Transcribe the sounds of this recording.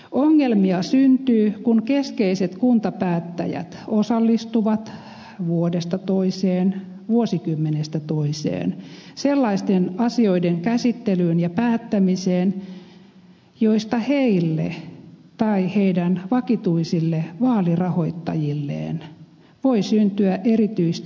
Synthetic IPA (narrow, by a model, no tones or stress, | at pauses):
ʔoŋːelmiɑsynt̪yːkuŋkeskeiset̪kunt̪ɑpæːt̪ːæ̰jæ̰t̪osɑlːist̪uʋɑt̪ | ʋuodest̪ɑt̪oiseːn | ʋuosikymːenest̪æt̪oisḛːnselːɑist̪enɑsioideŋkæsit̪ːelyːnjɑpæːt̪ːæmiseːn | joist̪ɑheilːḛt̪ɑiheidænʋɑkit̪uisilːeʋɑːlirɑhoit̪ːɑ̰jilːḛːn | ʋoisynt̪yæʔerit̪yist̪